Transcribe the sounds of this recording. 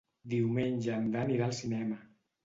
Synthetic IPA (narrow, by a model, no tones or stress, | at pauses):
d̪iuwmenʲʒəmd̪aniɾalˠsinɛmə